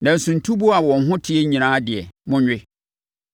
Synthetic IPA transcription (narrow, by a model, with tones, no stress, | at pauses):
nã˨n̩˨sũ˨n̩˨tʰu˦bu˦a˨wɔ̃˨n̩˦ɦʊ̃˦tʰɪ˦ɛ˦ɲĩ˨ãː˦dɪ˨ɛ̰˨mʊ̃˦ɲᶣɪ˦